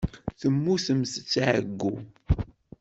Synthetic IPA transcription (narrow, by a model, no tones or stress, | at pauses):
θəmːuθəmθt͡sːʕəɡːu